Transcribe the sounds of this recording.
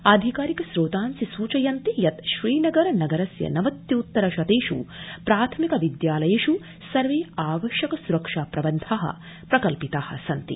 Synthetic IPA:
aːd̪ʱikaːɾikɐsɾoːt̪aːnsisuːt͡ʃɐjɐnt̪ijɐt̪ʃɾiːnɐɡɐɾɐnɐɡɐɾɐsjɐ̰nɐʋɐt̪jɐut̪ːɐɾɐʃɐt̪eːʂṵpɾaːt̪ʰɐmikɐʋid̪jaːlɐjeːʃu | sɐɾʋeːaːʋɐʃjɐkɐsuɾɐkʂaːpɾɐʋɐnt̪ʰaːɦɐ̰ | pɾɐkɐlpit̪aːhɐ̰sɐnt̪ḭ

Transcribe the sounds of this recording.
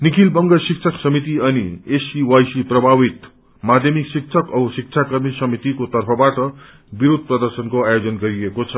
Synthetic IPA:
nikʰilbʌŋɡʌsik̚t͡sʰʌksʌmit̪̬iʌniesiwajsiprʌbʱabit̪ | mad̪ʱjʌmiksik̚t͡sʰʌkʌsik̚t͡sʰakʌrmisʌmit̪ikot̪ʌrpʰʌbaʈʌ | biɾod̪̚ʱprʌd̪ʌrsʌnkoajod͡zʌnɡʌɾiekot͡sʰʌ

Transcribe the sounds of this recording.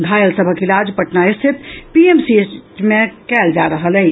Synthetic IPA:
ɡʱajəlsəbʱəkilad͡ʒpəʈnaist̪ʰit̪piemsimekɛld͡ʒaɾəɦəlɛj

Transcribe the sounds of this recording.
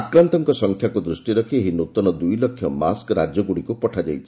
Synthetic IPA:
akɾant̪ɔŋkɔsɔŋkʰjakud̪ɾusʈiɾɔkʰieɦinut̪ɔnɔd̪ujlɔkʰːjɔmaskɾad͡ʒjɔɡuɽikupɔʈʰad͡ʒajt͡ʃʰi

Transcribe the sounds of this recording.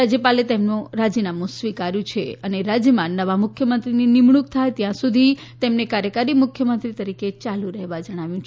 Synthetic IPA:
ad͡ʒjəpalet̪emnũɾad͡ʒinamũsʋikaɾjũt͡ʃʰeəneɾad͡ʒjəmãnːəʋamʊkʰjəmənt̪ɾininimɳ̃uk̚t̪ʰajt̪jãsud̪ʱi | t̪emnekaɾjəkaɾimʊkʰjəmənt̪ɾit̪əɾiket͡ʃalũɾəɦʋad͡ʒəɽ̃aʋjũt͡ʃʰ

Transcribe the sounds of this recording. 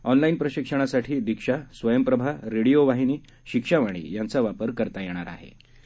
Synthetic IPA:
ɔnlainpɾəɕikʂəɽ̃asaʈʰiːd̪ikʂasʋəjəmpɾəbʱaɾeɽijoʋaɦiniː | ɕikʂaʋaɽ̃ḭːjant͡saʋapəɾkəɾt̪ajeɽ̃aɾa̰ɦḛ

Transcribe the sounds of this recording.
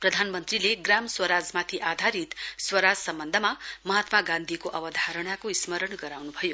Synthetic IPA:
prʌd̪ʱanmʌnt̪rileɡramswʌɾad͡zmat̪ʰiʔad̪ʱaɾit̪swʌɾad͡zsʌmbʌnd̪ʱəmamʌɦat̪maɡãnd̪ʱikoʔʌbʌd̪ʱaɾʌɽ̃akoismʌɾʌɳɡʌɾawnubʱʌjo

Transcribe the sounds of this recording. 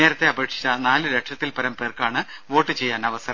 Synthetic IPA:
eːɾɐt̪ːe̞ɐbe̞ːʈʂi̥t͡ɕːɐnaːlɨɾeʈʂɐt̪ːilpɐɾɐmpe̞ːrkaːɳɨʋo̞ːʈːɨt͡ɕe̞jːaːnɐʋɐsɐɾɐ

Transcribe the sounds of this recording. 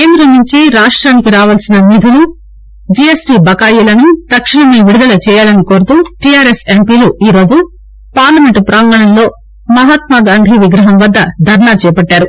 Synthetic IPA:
keːnd̪ɾɐnnuɲt͡ʃiɾaːʂʈɾaːnikiɾaːʋɐlsinɐnid̪ʱulu | d͡ʒiesʈiːbɐkaːjilɐnut̪ɐkʂiɳɐmiʋiɽud̪ɐlɐt͡ʃɛːjaːlɐnikoːɾut̪uːʈiaːɾesempiːluiːɾo̞ːd͡ʒu | paːɾlɐme̞ɳʈpɾaːŋɡɐɳɐmlo̞ː | mɐɦat̪̚maɡaːnd̪ʱiʋiɡɾɐɦɐmʋɐd̪ːɐd̪ʱɐɾɳaːt͡ʃɛːpɐʈːaːɾu

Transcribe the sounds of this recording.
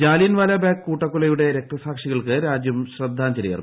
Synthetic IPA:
d͡ʑaːlinʋaːlɐbaːkkːuːʈːɐkːulɐjuɽe̞ɾek̚ʈrɐsaːkʂiɣɐɭkɨɾaːd͡ʑjɐmɕrɐd̪ʱːaːɲd͡ʑɐɾijɐ̰r

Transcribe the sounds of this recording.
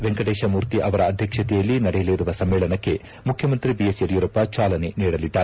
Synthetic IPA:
ʋeŋɡɐɽeːʃɐmuːɾt̪iʔɐʋɐɾɐːd̪ʱjɐkʂɐt̪ɛjɐlːinɐɽɛjɐleɾuʋɐsɐmːeːɭɐnɐkːe̞ | mukʰjɐmɐnt̪ɾibijesjɐɾjuɾɐpːat͡ʃaːlɐneniːɽɐlid̪ːaːɾe

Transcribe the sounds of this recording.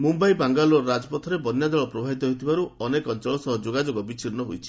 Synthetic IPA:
mumbajbaŋɡalɔɾad͡ʒɔpɔt̪ʰɔɾebɔnjad̪ɔɭɔpɾɔbʱabit̪ɔɦot̪ʰibaɾuɔnekɔnt͡ʃɔɭɔsɔɦɔd͡ʒoɡad͡ʒoɡɔbit͡ʃʰiɾnɔɦojt͡ʃʰi̥

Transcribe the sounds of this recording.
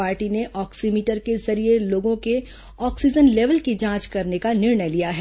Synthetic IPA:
aːɾʈineʔɔːksimiːʈəɾkezɐɾijeloːɡõke | ɔːksid͡ʒənleːʋəlkid͡ʒãːt͡ʃkɐɾnekanɪɾɳəjlijaɦɛː

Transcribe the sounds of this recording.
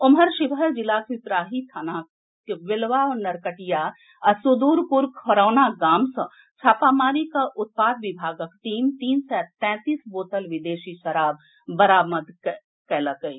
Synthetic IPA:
ʊmɦəɾʃɪʋəd͡ʒɪlaːkit̪ɾaːɦit̪ʰanaː | kʋɪlʋaːnɐɾkəʈijaː | sʊd̪uːɾpʊɾkʰoɾaːnaɡaːmsɐ̃ | t͡ʃʰaːpaːmaːɾikaʔʊt̪̚paːd̪ʋɪbʱaːɡəkʈiːmt̪iːnsɛt̪ɛ̃ːt̪iːsboːt̪əlʋɪd̪eːʃiʃɐɾaːb̚ː | ɐɾaːməd̪k | kɛləkəi

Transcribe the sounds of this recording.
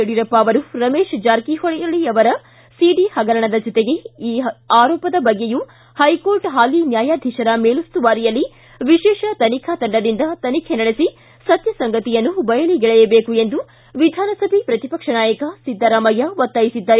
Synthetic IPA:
eɽiɾɐpːaːʋɐɾuɾɐmeːʃd͡ʒaːɾkihɔɭɛjɐɭiɐʋɐɾɐ | siɖihɐɡɐɾɐɳɐd̪ɐd͡ʒɔt̪eɡe̞iːaːɾɔːpɐd̪ɐbɐɡːeju | hɐjko̞ːɾʈɦaːlinjaːjaːd̪ʱiʃɐɾɐmeːlust̪uʋaːɾijɐlːi | ʋiʃɛːʃɐt̪ɐnikʰɐt̪ɐɳɖɐd̪ind̪ɐt̪ɐnikʰenɐɽesi | sɐt̪jɐsɐŋɡɐt̪ijɐnːubɐjɐliɡɛɭɛjɐbe̞ːkue̞nd̪u | ʋid̪ʱaːnɐsɐbʱipɾɐt̪ipɐkʂɐnaːjɐkɐsid̪ʱːɐɾaːmɐjɐʋɔt̪ːaːjisid̪ːɐɾe

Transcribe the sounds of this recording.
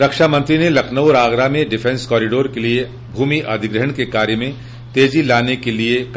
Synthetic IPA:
ɾɐkʃamɐ̃nt̪ɾinelɐkʰnəʊɾaːɡɾamẽɖɪfʰɛ̃nskɔːɾɪɖoːɾkelie | bʱuːmiʔəd̪ʱɪɡɾəɦəɳ̃kekaːɾjəmẽ | t̪eːd͡ʒilaːnekeliek

